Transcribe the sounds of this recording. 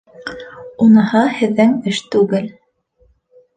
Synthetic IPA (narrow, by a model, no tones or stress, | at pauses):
unɤ̆hɑhɘ̆ðːɘŋɘʃt̪ʉɡɘl